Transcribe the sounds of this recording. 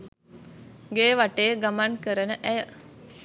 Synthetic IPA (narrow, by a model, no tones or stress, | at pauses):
ɡeːʋaʈejəɡamankəɾənəʔæjə